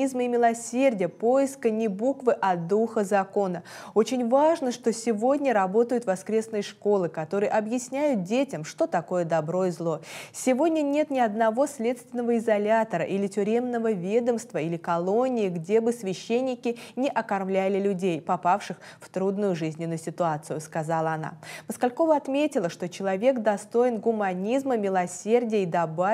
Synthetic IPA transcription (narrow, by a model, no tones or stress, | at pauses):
izmɨɪmʲɪlˠɐsʲerʲdʲɪjəpo̞jɪskənʲɪbukvɨʔɐd̪uxəzɐko̞nəo̞t͡ɕɪnʲvaʐnəʂt̪o̞sʲɪvo̞dʲnʲəɾɐbo̞t̪əjʊt̪vɐskɾʲe̞snɨjəʂko̞lˠɨkɐt̪o̞ɾɨjəʔɐbjɪsʲnʲæjʊt̪̚dʲetʲɪmʂt̪o̞t̪ɐko̞jəd̪ɐbɾo̞ɪzlˠo̞sʲɪvo̞dʲnʲənʲe̞t̪nʲɪɐd̪nɐvo̞sʲlʲe̞t̪st̪vʲɪnəvəɪzɐlʲat̪əɾə̰ʔilʲɪtʲʊɾʲe̞mnəvəvʲe̞d̪əmst̪vəilʲɪkɐlˠo̞nʲɪɪɡdʲebɨsvʲɪɕːenʲːɪkʲɪnʲɪʔɐkɐrmlʲælʲɪlʲʊdʲejpɐpafʂɨx | ft̪ɾud̪nʊjʊʐɨzʲnʲɪnʊjʊsʲɪt̪ʊat̪sɨjʊskɐzalˠəɐna̰məskɐlʲko̞vəɐt̪mʲetʲɪlˠəʂt̪o̞t͡ɕɪlˠɐvʲe̞kd̪ɐst̪o̞ɪnɡʊmɐnʲizməmʲɪlˠɐsʲerdʲɪjəid̪ɐba